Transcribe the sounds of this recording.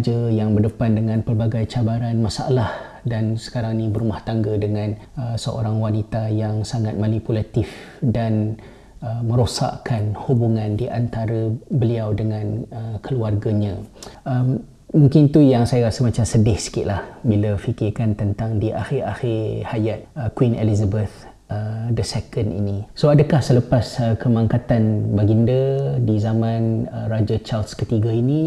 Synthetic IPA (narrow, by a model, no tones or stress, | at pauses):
d͡ʒəjaŋbərdəpandəŋãnpərbaɡajt͡ʃabaɾanmasaa̰lahdansə̥kaɾaŋnĩbəɾumaht̪aŋɡədəŋãn | əsəʔo̰ɾaŋwanit̪ajaŋsaŋat̪̚manipulat̪ɪf | dan | əmə̃ɾosa̰ʔkanhubuŋandiʔant̪aɾəbəliawdəŋãnəkəluarɡaɲə̃əmː | uŋkɪnt̪ujaŋsajaɾasəmat͡ʃamsədɪhsə̥kɪʔ̪lahbilafikɪrkant̪ənt̪aŋdiʔa̰xɪɾa̰xɪrhajat̪̚əkwinḛlizabəθ | ədəsɛkənḭnisoadəkahsələpasəkʰəmãŋkat̪anbaɡindədizamãnərad͡ʒat͡ʃalskət̪iɡaini